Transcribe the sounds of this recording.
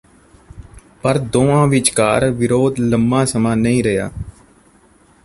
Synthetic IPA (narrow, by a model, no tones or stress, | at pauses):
pəɾd̪oːãːʋɪt͡ʃkaːɾʋɪɾoːd̪ləmbãːsəmãːnəĩːɾəja̰ː